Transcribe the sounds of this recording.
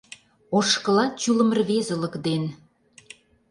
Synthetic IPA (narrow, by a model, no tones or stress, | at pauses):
oʃkə̆lɑt͡ɕylə̆mərβezə̆lə̆kd̪en